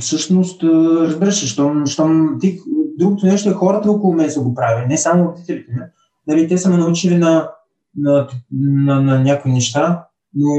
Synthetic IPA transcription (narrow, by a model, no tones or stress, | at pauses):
fsɤʃnost̪ɾɐzbiɾəʃiʃt̪ɔmʃt̪omt̪ikd̪ɾuɡot̪onɛʃt̪oɛxɔɾɐt̪əɔkolˠomɛst̪oɡopɾavinɛsamood̪it̪ɛlʲit̪ɛmɐ | nɐlit̪ɛsəmɛnɐut͡ʃilinɐ | nɐnɐnɐnʲjakoinɛʃt̪a | no